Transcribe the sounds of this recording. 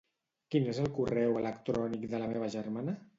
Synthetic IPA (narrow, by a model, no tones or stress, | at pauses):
kinezəlˠkurɛwələkt̪ɾɔnikd̪ələmeβ̞əʒəɾmanə